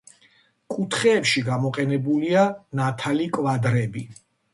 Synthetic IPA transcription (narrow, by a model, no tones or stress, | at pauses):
kʼut̪ʰχɛːpʃiɡamɔqʼɛnɛbulianat̪ʰalikʼvad̪ɾɛbi